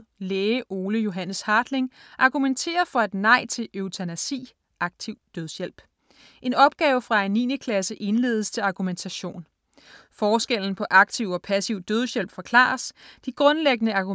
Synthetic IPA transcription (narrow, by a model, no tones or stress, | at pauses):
leːʔo̝ːləjo̝ɦænəshɑ̈ːd̥leŋʔɑ̈ɡ̥ument͡sʰe̝̰ːɐfɒ̽æd̥nɑ̈ɪ̰t͡sʰe̝løʊt͡sʰænæsḭː | ʔɑ̈ɡ̥̚t͡sʰiʊ̰d̥øðˠjel̰b̥ | ʔe̝nɒ̽b̥ɡ̥ɛːʊəfʁɑ̈ænḭːnəkʰlæsəʔe̝nle̝̰ːð̞ˠst͡sʰe̝lɑ̈ɡ̥ument͡sʰæɕo̝̰ːn | fɒːsɡ̥el̰n̩pʰɒ̽ʔɑ̈ɡ̥̚t͡sʰiʊ̰ɒ̽pʰæsiʊ̰d̥øð̞ˠɕjel̰b̥fɒ̽kʰlɑ̰̈ːɐsd̥iɡ̥ʁɔ̽nleɡ̥ənəɑ̈ɡ̥u